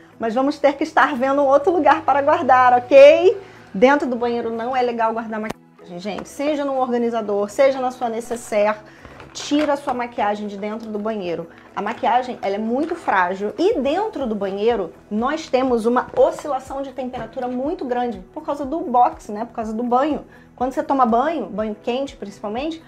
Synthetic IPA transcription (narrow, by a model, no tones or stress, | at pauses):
mɐzvɐ̃mʊst̪eɾkɪiʃt̪aɾvẽnd̪ʊũowt̪ɾʊluɡaɾpaɾɐɡwaɾd̪aɾɔkej | d̪ẽnt̪ɾʊd̪ʊbɐ̃ɲejɾʊnɐ̃w̃ɛleɡawɡwaɾd̪aɾɐmakiaʒẽj̃ʒḛ̃t͡ʃɪ̥seʒɐnũoɾɡɐ̃nizad̪oɾseʒɐnɐsuɐnesesɛɾ | t͡ʃiɾɐsuɐmakiaʒẽj̃d͡ʒɪd̪ẽnt̪ɾʊd̪ʊbɐ̃ɲejɾʊ | ɐ̰makiaʒẽj̃ʔɛlɐɛmũj̃t̪ʊfɾaʒiwɪd̪ẽnt̪ɾʊd̪ʊbɐ̃ɲejɾʊ | nɔjst̪ẽmʊzũmɐosilasɐ̃w̃d͡ʒɪt̪ẽmpeɾat̪uɾɐmũj̃t̪ʊɡɾɐ̃d͡ʒɪpoɾkawzɐd̪ʊbɔksnɛpoɾkawzɐd̪ʊbɐ̃ɲʊ | kwɐ̃nd̪ʊset̪õmɐbɐ̃ɲʊbɐ̃ɲʊkẽnt͡ʃɪ̥pɾĩsi̥pawmẽnt͡ʃɪ̥